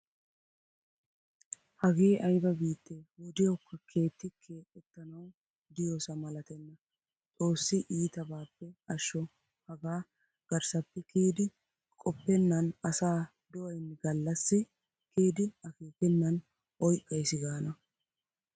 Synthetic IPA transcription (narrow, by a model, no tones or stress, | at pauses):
hɐɡiːʔɐjbɐbiːt̪ːewɔd̪ɪjɐwkːɐkʰe̞ːt̪ːɪkʰe̞ːkʼːɛt̪ːɐnɐw | d̪ɪjoːsɐmɐlɐt̪ɛnːɐ | t͡sʼo̞ːsːɪʔiːt̪ɐbaːpːɛɐʃːɔ | hɐɡaː | ɡ̥ɐɾsɐpːɛkiːd̪ɪ | kʼɔpːɛnːɐnɐsaː | d̪ɔʔɐjnːɪɡɐlːɐsːɪ | kiːd̪ɪɐkeːkɛnːɐn | ʔɔjkʼːɐjsɪɡaːnɐ